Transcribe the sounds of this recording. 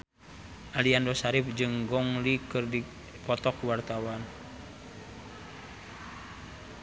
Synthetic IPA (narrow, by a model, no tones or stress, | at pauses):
ʔaliandɔsaɾip̚d͡ʒɨŋɡɔŋlikɨrdi | pɔt̪ɔkuwart̪awan